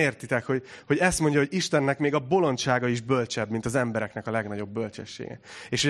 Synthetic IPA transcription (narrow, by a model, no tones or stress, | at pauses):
eːrt̪it̪ɛkho̞ɟho̞ɟɛst̪mo̞ɲɟɒɦo̞ɟiʃt̪ɛnːɛkmeːɡɒbo̞lo̞nʃaːɡɒiʒbølt͡ʃɛbmint̪ɒzɛmbɛɾɛknɛkɒlɛɡnɒɟo̞bːølt͡ʃɛ̰ʃːḛːɡɛ̰eːʃho